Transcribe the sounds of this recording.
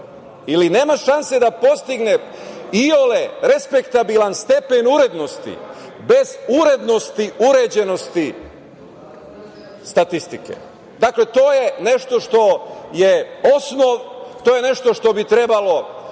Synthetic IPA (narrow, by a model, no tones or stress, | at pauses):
iline̞ːmaʃanse̞d̪apo̞st̪iɡne̞ioleɾespe̞kt̪abilanst̪e̞pe̞nuɾe̞d̪no̞st̪ḭ | be̞zuɾe̞d̪no̞st̪iuɾed͡ʑeno̞st̪i | st̪at̪ist̪ike̞̰ | d̪akle̞t̪o̞ːje̞ne̞ʃt̪o̞ʃt̪o̞jeo̞snoʋt̪ojene̞ʃt̪o̞ʃt̪o̞bit̪ɾebalo̞